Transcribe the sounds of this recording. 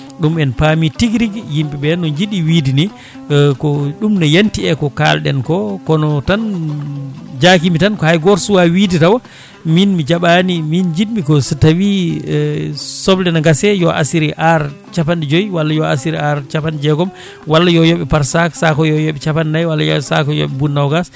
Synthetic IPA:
ɗumɛnpamitiɡɾiɡjimɓɛɓɛnɔɲd͡ʒiɗiwidini | kɔɗumnajantiɛkɔka̰lɗɛ̰nkɔkɔnɔtan | d͡ʒakimitankɔhajɡɔɾsuwawiditawa | minmid͡ʒaɓanimind͡ʒiɗmikɔsitawi | sɔblɛnaŋɡasɛjɔʔa̰siɾiʔaɾ | t͡ʃapandid͡ʒojwalːajɔasiɾiaɾt͡ʃapandid͡ʒɛɡɔm | walːajɔjɔɓɛpaɾsaksakɔjɔjɔɓɛt͡ʃapannajwalːajsa̰kɔjɔ̰ɓɛbunːawɡas

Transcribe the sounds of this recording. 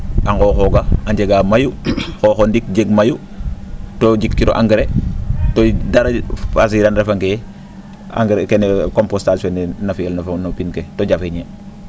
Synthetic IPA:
aŋɡoxoɡaaɲɟeɡamajuxoxondik̚d͡ʒeɡmaju | toɟikːiɾo̰ʔaŋɡɾetodaɾafas̬iɾanɾefaŋke | a̰ŋɡɾekenekompostalsonenafielnafnopinketoɟafeɲe

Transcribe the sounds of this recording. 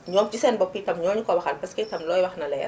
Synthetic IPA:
ɲɔːmt͡ʃisɛnbɔpːitɐmɲɔːmɲikɔbɐxɐl̚pɐskɛtɐmlɔːjwɐxnɐlɛj̰

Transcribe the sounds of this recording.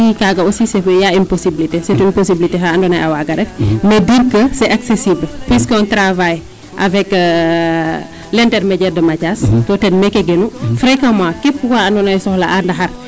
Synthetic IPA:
ikaɡɐosisefjainposibilitesetuinposibilitexaandɔnajawaɡɐdɛfmediɾkəsɛʔaksesiblpwiskɔntɾavaj | ʔavɛk | lɛntɛrmɛɟɛrdəmacaskotɛnmɛkɛɡenufɾekamãkepkukaɐndɔnajsɔhlaʔandɐxɐr

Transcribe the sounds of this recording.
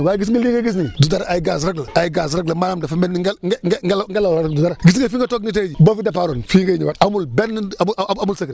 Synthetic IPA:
waːɡis̬iɡiliŋɡaɡis̬nidudaɾaajiɡas̬ɾaɡlaajiɡaz̬ɾaklamalamdafamenŋɡŋŋɡlŋɡalawɾadudaɾaɡis̬iɡefiŋɡatoɡnit̬ed͡ʒibofidapaːɾonfiŋɡaiɲiwatamulbenamulsakɾi

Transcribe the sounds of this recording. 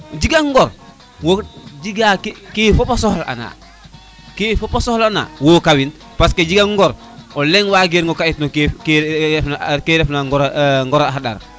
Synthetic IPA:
d͡ʒiɡaŋːɡɔɾ | wod͡ʒiɡakkefopasɔhla̰na̰ | kefopasɔhlana̰wokawin | pasked͡ʒiɡaŋŋːɡɔɾ | ɔlɛŋwaɡeɾŋɡɔkaitnokːkːfnakeɾɛfnaŋɡɔɾŋɡɔɾaɦaɗa̰ɾ

